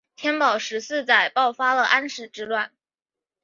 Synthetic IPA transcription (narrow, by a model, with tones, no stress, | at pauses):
t̪ʰjɛ˥npɑ˨˩ʊʂɻ̩˧˥sɹ̩˥˧t͡sa˨˩ɪpɑ˥˩ʊfa˥lə˨ʔa˥nʂɻ̩˧˥ʈ͡ʂɻ̩˥lwa˥˩n